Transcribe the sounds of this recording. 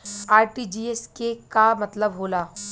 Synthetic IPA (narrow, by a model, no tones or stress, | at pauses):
aːɾʈid͡ʒiːeskekamɐt̪ləbɦoːlaː